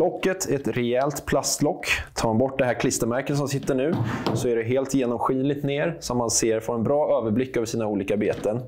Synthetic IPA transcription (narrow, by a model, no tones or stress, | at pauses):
lɔkːət̪ʰɛɛt̪ɾɛɛlt̪pʰlast̪lɔkːt̪ʰːɑːɾanbɔʈːd̪ɛɦæːɾkʰlɪst̪əɾmæɾkət̪s̬ɔmsɪt̪ːəɳʉ̟ːsɔæɖɛɦeːlt̪jeːnɔmɧiːlɪt̪neːɾsɔmːanseːɾfoɛnbɾɑːøːvəɾblɪkːøːvəʂiːnauːliːkabeːt̪ən